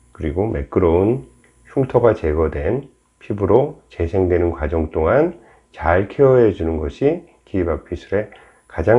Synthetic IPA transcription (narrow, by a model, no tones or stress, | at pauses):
kɯɾiɡome̞k͈ɯɾʌun | ɕʰuŋtʰʌɡat͡ɕe̞ɡʌdwe̞n | pʰibɯɾot͡ɕe̞sʰe̞ŋdwe̞nɯnkwad͡ʑʌŋt͈oŋan | t͡ɕaɭkʰeʌed͡ʑunɯnɡʌɕʰi | kiibak̚pʰisʰɯɾe̞ | kad͡ʑaŋ